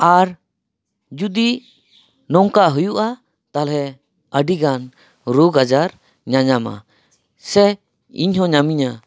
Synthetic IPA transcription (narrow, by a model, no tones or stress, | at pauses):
aɾ | d͡ʒud̪i | nɔŋkaʔɦujuʔa | t̪alɦɛ | əɖiɡan | ɾuɡad͡ʒaɾ | ɲaɲama̰ | sɛ | ḭɲɦɔ̃ɲamiɲa